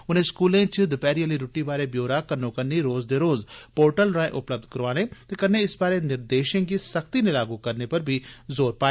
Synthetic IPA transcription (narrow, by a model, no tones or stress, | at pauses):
ʊnẽːskuːlẽːt͡ʃd̪ʊpɛːɾijəliɾʊʈːibaːɾebjoːɾakənõkɐnːiɾoːzd̪eːɾoːzpoːɾʈəlɾãːḛ̃ʔʊpləb̚d̪̚kəɾʋaːɽ̃et̪ekɐnːẽɪsbaːɾenɪɾd̪eːʃẽɡisəkt̪inelaːɡukɐɾnepɐɾbʱizoːɾpaː